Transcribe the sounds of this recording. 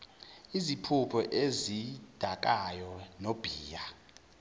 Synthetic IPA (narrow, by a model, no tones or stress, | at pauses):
izipʰupʰɔʔezid̥ʱak̬ʼajɔnob̥ʱiːja